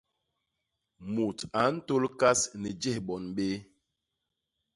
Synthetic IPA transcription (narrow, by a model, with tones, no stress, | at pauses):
mu˨ta˨˦n̩˦to˦lka˦snɛ˨d͡ʒɛ˦hɓɔ˨nɓe˦